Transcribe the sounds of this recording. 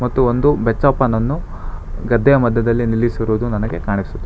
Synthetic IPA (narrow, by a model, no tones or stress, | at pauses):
mɐt̪ːuond̪ubet͡ʃːaːpɐnɐnːu | ɡɐd̪ʱːɛjɐmɐd̪ʱːɐd̪ɐlːinilːisiɾuːd̪unɐnɐɡe̞kaːɳisud̪ːe